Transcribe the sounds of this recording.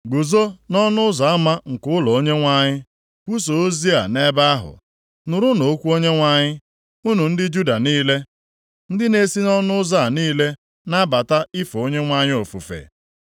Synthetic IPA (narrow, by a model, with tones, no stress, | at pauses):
ɡu˨zo˦nɔ˦nʊ˦ʊ˦za˨a˦ma˦ŋ̩˨kʊ˦ʊ˦lɔ˨o˦ɲe˦ŋʷa˦ɲɪ˦ | kʷu˦s̬o˨o˦zi˦a˨ne˦ba˦a˦ɦʊ̰˨ | nʊ˨ɾu˦no˨˦kʷu˦o˦ɲe˦ŋʷa˦ɲɪ˦ | u˦nu˨n̩˦dɪ˦d͡ʒu˦da˨niː˦le˦ | n̩˦dɪ˦ne˦si˦nɔ˦nʊ˦za˦˨niː˦le˦ | na˦ba˨ta˦i˦fo˨o˦ɲe˦ŋʷa˦ɲɪ˦o˨fu˨fḛ˨